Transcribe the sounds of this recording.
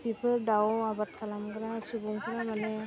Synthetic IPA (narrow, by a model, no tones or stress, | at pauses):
pipʰəlɖawabat̪̚kʰalamkəɾasubuŋkʰəɾamanɛ